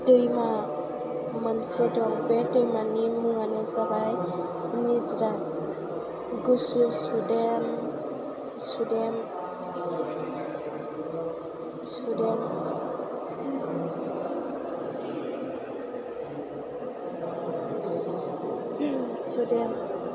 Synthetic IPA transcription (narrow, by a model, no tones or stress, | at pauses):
dəjma | mansedɔmbedɔjmanimuanezabaj | mezda | ɡususudem | sudem | sudem | sudem